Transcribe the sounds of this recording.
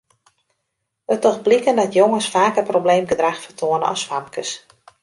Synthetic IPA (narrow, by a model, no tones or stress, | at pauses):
ətɔxblikəndɔtjoŋəsfaːkəprobleːmɡədraxfərtʰoənə̰ɔ̰sʋamkəs